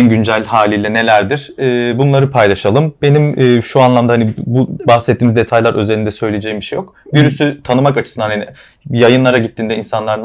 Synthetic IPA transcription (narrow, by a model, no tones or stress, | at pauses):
nɟynd͡ʒælʲɦaːlʲijlʲɛne̞lʲæɾd̪iɾ̥ɛːbunlˠaɾɯpʰajlˠaʃalˠɯmbe̞nimːʃuanlˠamd̪aɦanibubaxsɛt̪ʰːiːmzd̪e̞t̪ʰajlˠaɾʔø̞̰zelʲind̪ɛsø̞jlʲijed͡ʒɛjimbiʃejo̞kviɾysyt̪ʰanɯmakat͡ʃʰɯ̥sɯnd̪anhani | jajɯnlˠaɾaɟit̪ːind̪ɛinsanlˠaɾɯn